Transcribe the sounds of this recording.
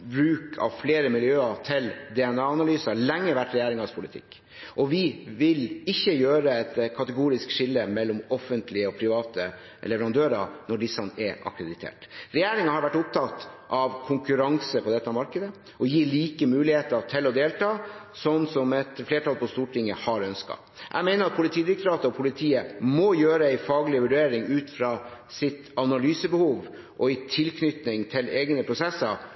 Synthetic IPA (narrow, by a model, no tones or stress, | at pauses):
bɾʉːkʰɑ̰ʋfleːɾəmɪljøːɑt̪ʰɪld̪ɛɛnɑːɑnɑlyːsɑɭɛŋːəʋæʈɾɛjeːɾɪŋɑspʰʊlɪt̪ʰɪ̰kː | ʔɔʋɪʋɪlɪçːəjøːɾəɛt̪kʰɑt̪əɡuːɾɪskʂɪlːəmɛlːɔmɔfənt̪lɪəɔpʰɾɪʋɑːt̪ə | lɛʋɛɾɑnd̪øːɾɑnɔɖɪsːɑnɛʔɑ̰kɾəd̪ɪt̪ʰḛːʈɾɛjeːɾɪŋɑhɑɾʋæʈːʊp̚t̪ʰɑt̪ʔɑʋkʰʊŋkʉɾɑŋsəpʰɔd̪ɛt̪ːəmɑɾkəd̪ə | ʔɔjiːliːkəmʉːlɪheːt̪əʈ̪ʰɪlːɔd̪eːlʈ̪ɑː | sɔnːsɔmɛt̪fleːʈɑlpɔst̪uːʈʰɪŋːəhɑɾœnskɑ̰ | ʔæ̰mæɪnəɾɑt̪̚pʰʊlɪt̪ʰiːd̪ɪɾɪkt̪ɾɑːt̪əɔpʰʊlɪt̪ʰiːəmɔjøːɾəæɪfɑːɡlɪəʋʉɖeːɾɪŋʉːt̪fɾɑːsɪt̪ɑnɑlyːsəbəhuːʋ | ʔɔɪt̪ʰɪlkʰnʏt̪nɪŋt̪ʰɪleːɡnəpʰɾʊsɛsːəɾ